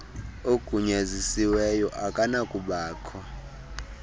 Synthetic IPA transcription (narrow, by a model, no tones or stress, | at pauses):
oɡ̥ʱuɲazisiwɛjɔʔakʼanakʼuɓaːkʰɔ